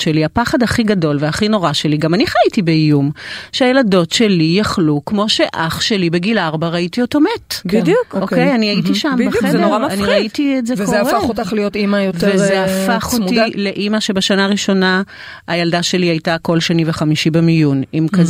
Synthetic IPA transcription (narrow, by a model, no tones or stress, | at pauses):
ʃeliapaχadhaχiɡado̞lveaχino̞ʁaʃe̞liɡamaniχaitibeijumʃeajelado̞tʃelijaχlukmo̞ʃe̞ʔaχʃe̞libeɡilaʁbaʁaitio̞to̞metbdukokejaniaitiʃamazdnoʁamanfniʁaitiezevkoeaʁfeaχotaχlijotimajotvezeaffaχotile̞ʔimaʃebaʃanaːʁiʃo̞na | ajaldaʃe̞liajtako̞lʃanimveχamiʃibemijunimkaz